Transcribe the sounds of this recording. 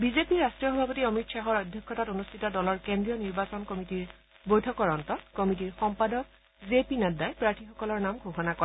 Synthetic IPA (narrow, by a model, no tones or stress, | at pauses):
bizepiɹastɹijɔxɔbʱapɔtiɔmitʃaɦɔɹɔdʱjɔkʰːɔtatonustʰitɔdɔlɔɹkendɹijɔniɹbasɔnkɔmitiɹ | bojtʰɔkɔɹɔntɔkɔmit̬iɹxɔmpadɔk̚ | zepinadajpɹaɹtʰixɔkɔlɔɹnamɡʱoxɔnakɔɛ